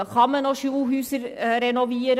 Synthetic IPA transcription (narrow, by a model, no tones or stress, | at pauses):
kʰɑmənoʃuːhʉːsəɾɾɛnɔʋiːɾə